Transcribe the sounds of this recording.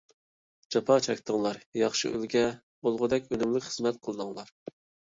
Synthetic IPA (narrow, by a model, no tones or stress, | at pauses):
d͡ʒɑpʰɑt͡ʃʰɛkʲt̪ʰəŋlˠɑɾjɑχʃḭʔy̰lɡʲɛ | bolˠʁʊd̪ɛkʲønymlɪkʲχəzmɛt̪̚qʰəlˠɨd̪ɨŋlˠɑɾ